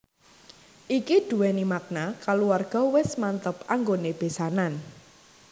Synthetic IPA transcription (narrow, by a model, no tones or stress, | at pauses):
ʔikid̪̥ṳwɛnimak̚nakaluwarɡ̥ɔ̤wɪsmant̪əpaŋɡoneb̥e̤sanan